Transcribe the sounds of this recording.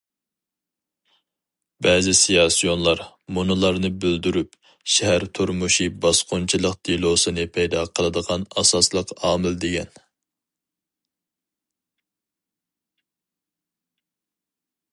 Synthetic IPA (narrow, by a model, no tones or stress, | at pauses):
bɛːzɪsijɑsijonlˠɑɾ | munɨlˠɑɾnɨbøld̪yɾyp | ʃɛhæɾt̪ʰuɾmuʃibɑsqʊnt͡ʃʰilˠəqd̪̥ʰilˠosɨnɨpʰɛjd̪ɑqʰəlˠɨd̪əʁɑnɑsɑslˠəqɑːmɪld̪eɡʲɛn